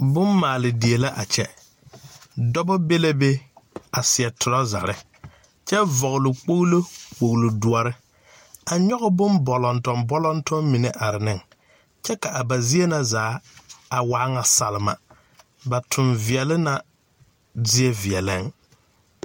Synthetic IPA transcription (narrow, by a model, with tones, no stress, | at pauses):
bʊ˦mmaː˨lɪ˨di˨e˨la˦ʔa˨t͡ʃɛ˦ | dɔ˦bɔ˦be˦la˦be˦a˨sɪ˨ɛ˨tʊ˨lɔ˦za̰˨ɾɪ˦ | t͡ʃɛ˦vɔ˨ɣʊ˨lʊ˨k͡po˦ɣlo˦k͡pk͡po˨ɣlo˨dʊ˨ɔ˨ɾɪ˦ | a˨ɲɔ˦ɣɪ˦bʊ˦nbɔ˨lɔ˨ntɔ˨mbɔ˦lɔ˦ntʊ˦mmi˨ne˨ʔa˨ɾɪ˨nɪ˦˨ŋ | t͡ʃɛ˦ka˨ʔa˨ba˨zi˦e˦na˦zaː˨˦a˨wa˦ŋa˨sa˨lɪ˨ma̰˨ | ba˨tʰʊ˨nvɪ˨ɛ˨lɪ˦na˦ | zɪ˦ɛ˦vi˨ɛ˨la˦ŋ